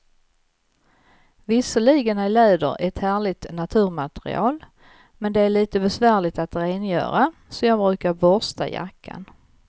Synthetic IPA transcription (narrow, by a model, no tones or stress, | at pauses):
vɪsəɭiːɡənæɪleːd̪ə̰ɾɛt̪hæːɭɪt̪nat̪ʰʉ̟ːɾmat̪ɾɪ̰ɑ̰ːl | mɛnd̪ɛæɭiːt̪əbɛsvæːɭɪt̪at̪ɾeːnjœ̰ːɾasɔjɑːɡbɾʉ̟ːkaɾbɔst̪ʰa̰ja̰kʰːa̰n